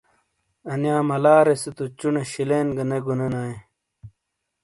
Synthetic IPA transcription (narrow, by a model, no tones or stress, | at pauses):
ɐnjaːmɐlaːɾesit̪ut͡ɕuneɕileːnɡɐneɡunenaːe